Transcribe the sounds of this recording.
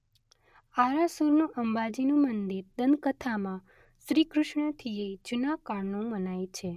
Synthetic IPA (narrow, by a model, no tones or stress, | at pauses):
aɾasuɾnũʔəmbad͡ʒinũmənd̪iɾd̪ənkət̪ʰamã | ʃɾikɾʊʃɳət̪ʰied͡ʒunakaɾnũmənajt͡ʃʰe